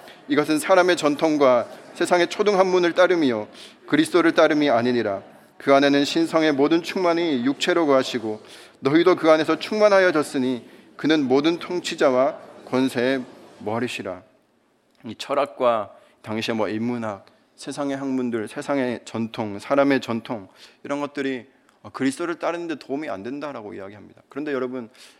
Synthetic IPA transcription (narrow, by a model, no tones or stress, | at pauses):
iɡʌs̬ʰɯnsʰaɾame̞t͡ɕʌntʰoŋɡwasʰe̞sʰaŋe̞t͡ɕʰoduŋɦanmunɯɭt͈aɾɯmio | kɯɾisʰt͈oɾɯɭt͈aɾɯmiaɲiɲiɾa | kɯane̞nɯnɕʰinsʰʌŋe̞modɯnt͡ɕʰuŋmanijuk̚t͡ɕʰe̞ɾoɡɯɦaɕʰiɡonʌidokɯane̞sʰʌt͡ɕʰuŋmanɦajʌd͡ʑʌs͈ɯɲi | kɯnɯnmodɯntʰoŋt͡ɕʰid͡ʑawakwʌnsʰe̞ːmʌɾiɕʰiɾa | it͡ɕʰʌɾak̚k͈wa | taŋɕʰiemwʌimːunɦak̚ | sʰe̞sʰaŋe̞ɦanmundɯɭsʰe̞sʰaŋe̞t͡ɕʌntʰoŋsʰaɾame̞t͡ɕʌntʰoŋiɾʌnɡʌt̚t͈ɯɾi | ʌkɯɾisʰt͈ʰoɾɯɭt͈aɾɯnɯnde̞toumia̰ndwe̞ndaɾaɡo̰ḭaɡiɦamɲidakɯɾʌndejʌɾʌbɯn